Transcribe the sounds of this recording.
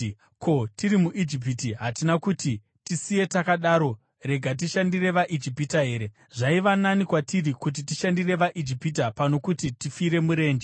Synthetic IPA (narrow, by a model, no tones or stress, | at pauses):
kʰo̞tiɾimuʔid͡ʒip̬itiɦatinakuti | tisije̞takaɗaːɾo̞ | re̞ɡʱat̬iʃandire̞ʋaʔid͡ʒipitaɦe̞ːɾe | ʐaiʋananikwatirikut̬itiʃandire̞ʋaʔid͡ʒipit̬apano̞kutitifiɾe̞muɾe̞ːnd͡ʒe